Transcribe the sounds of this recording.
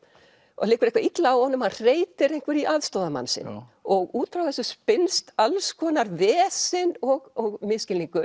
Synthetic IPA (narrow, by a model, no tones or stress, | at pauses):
ɔ̰ɣlɪːkʏɾehkvaɾit̪laawhɔːnʏmar̥eːjt̪ɪɾejhŋ̥kvɪɾiʔaðst̪ɔːðama̰nsɪ̰nɔɣuːt̪ɾawθɛsʏspɪnst̪alskʰɔːnaɾvɛːsɪnɔɣɔɣmɪðscɪliŋkʏ